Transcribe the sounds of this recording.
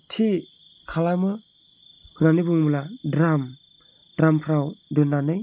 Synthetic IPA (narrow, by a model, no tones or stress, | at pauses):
tʰi | kʰalamɯ | hʰɯnanibɯŋmuladɾam | dɾampʰɾawdɯnːanɯj